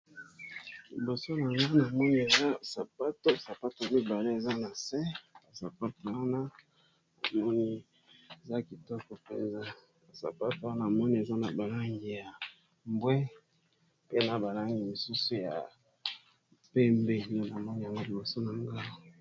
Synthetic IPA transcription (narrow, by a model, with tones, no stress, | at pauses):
li˨bo˨so˦na˨ŋɡa˦na˨mɔ˦ni˦e˨za˦sa˨pa˦to˦sa˨pa˦to˨mi˦ba˨le˦e˨za˦na˨sɛ˦a˨sa˨pa˦to˨wa˦na˦ | na˨mɔ˦ni˦ | e˨za˦ki˨tɔ˦kɔ˨pe˨nza˦ | a˨sa̰˨pa˦to˨wa˦na˦˨a˨mɔ˦ni˦e˨za˦na˨ba˨la˦ŋɡi˨ja˨ | mbwɛ˦ | pe˦na˨ba˨la˦ŋɡi˨li˨su˦su˨ja̰˨ | pe˦mbe˦˨o˦na˨mɔ˦ni˦ja˨ŋɡo˦li˨bo˨so˦na˨ŋɡa˦